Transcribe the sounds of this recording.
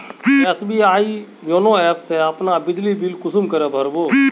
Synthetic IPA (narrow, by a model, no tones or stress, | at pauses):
ɛsbiaːi | d͡ʒonõɛːpseɐpnabɪd͡ʒ̪libilkʊsʊmkəɾɛbʱɐɾboː